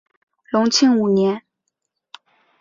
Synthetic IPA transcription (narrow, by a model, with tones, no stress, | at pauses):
lʊ˧˥ŋt͡ɕʰi˥˩ŋu˨˩njɛ˧˥n